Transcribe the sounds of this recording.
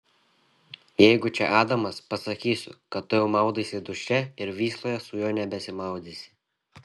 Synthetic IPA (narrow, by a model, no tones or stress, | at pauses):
jɛɪɡʊt͡ʃʲɛʔɑːd̪ɐmɐspɐsɐkʲiːsʲʊ̰kɐt̪ːʊjɛʊmɐˑʊd̪iːsʲɪd̪ʊʃʲɛɪɾʋʲiːslˠoːjɛsʊjoːnʲɛbʲɛsʲɪmɐˑʊd̪ʲiːsʲɪ̥